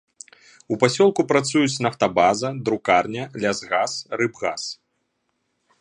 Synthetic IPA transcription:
upasʲɔlˠkupɾat̪sujut͡sʲnɐft̪ɐbazɐd̪ɾukarnʲɐlʲazɣasrɨbɣas

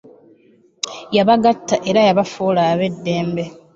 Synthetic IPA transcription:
jaβaɡatːaʔe̞ɾajaβafoːlaːβe̞dːe̞ːmbe̞

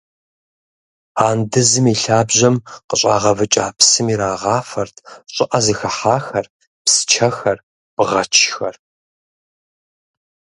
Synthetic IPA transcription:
aːndɨzɨmiːɬaːbʑɐmqəɕʼaːʁɐvɨt͡ʃʼaːpsɨmiːɾaːʁɑːfɐrtʰɕʼɪʔɐzɨxɐħaːxɐr | psɨ̥t͡ʃʰɐxɐr | b̥ʁɐt͡ʃʰxɐr

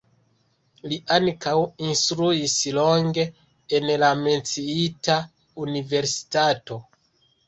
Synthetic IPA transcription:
liʔankawinstɾuislo̞ŋɡe̞ | enlame̞nt͡siita | unive̞ɾsi̥tato̞

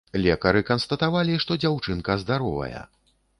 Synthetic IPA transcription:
lʲɛkɐɾɨkɐnst̪ɐt̪avalʲiʂt̪ɔd͡zʲawt͡ʂɨnkɐzd̪aɾɔvɐ̰jɐ̰

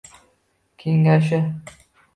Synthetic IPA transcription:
kʲʰeŋɡaʃ̬ɪ

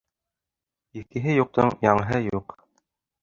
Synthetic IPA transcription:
ikɘ̆ɦɘjuq̚t̪ɤɴjɑɴɤɦɤjuq

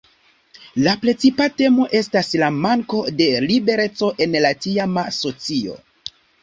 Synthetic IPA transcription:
lapɾe̞t͡sipate̞mo̞ʔe̞staslamaŋko̞de̞libe̞ɾe̞t͡so̞ʔe̞nlatiamaso̞t͡sio̞̰

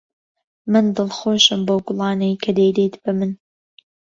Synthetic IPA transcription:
mɨnd̪ɨlˠxoːʃɨmbowɡʊlˠɑːnɐjkʰɐd̪ejd̪ejt̪b̥ɐmɨn

